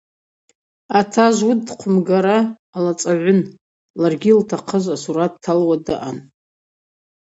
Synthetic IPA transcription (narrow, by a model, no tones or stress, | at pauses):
atʰaʒʷwudqʷʰʊmɡaɾaː | lat͡sʼaʕʷʊn | larɡʲiltʰaqʰəʒʷasuɾat̚tʰːalwadɨʔan